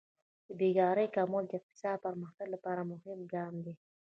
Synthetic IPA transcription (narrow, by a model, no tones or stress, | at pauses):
d̪̥əbiɡɑɾəjkɑmuld̪əɪq̚t̪ɪ̥sɑd̪̚pəɾməxt̪aɡlapɑɾamʊhɪmɡɑmd̪i